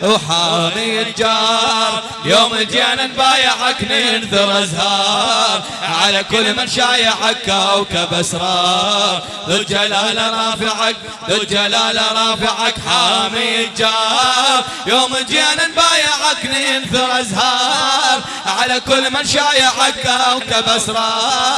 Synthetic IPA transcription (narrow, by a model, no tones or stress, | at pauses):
wħaːmid͡ʒaːɾˤ | joːmɪd͡ʒjaːnanbaːjaʕakninθiɾʔazhɑːɾ | ʕalakʊlːmanʃaːjaʕakːawkabasɾˤɑːɾ | ðʊd͡ʒalaːlaɾˤɑːfɪʕak̚ | ðɪd͡ʒalaːlaɾˤɑːfɪʕakħamijd͡ʒaːɾ | joːmɪd͡ʒjaːnanbaːjaʕakninθʊɾʔazhɑːɾ | ʕalakʊlːmanʃajaħakːawkabasɾˤɑː